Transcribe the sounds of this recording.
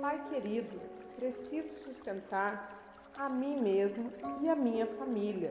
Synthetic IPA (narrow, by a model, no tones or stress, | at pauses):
pajkeɾid̪ʊ | pɾesizʊsust̪ẽnt̪aɾ | amĩmezmʊɪamĩɲɐfamiliɐ